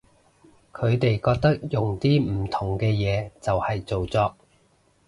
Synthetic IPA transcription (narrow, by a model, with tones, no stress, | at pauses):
kʰɵ˨˧ɥt̪e˨jkɔː˧k̚t̪ɐ˥k̚jʊ˨ŋt̪iː˥m̩˨˩t̪ʰʊ˨˩ŋkɛː˧jɛː˨˧t͡sɐ˨whɐ˨jt͡so˨wt͡sɔː˧k̚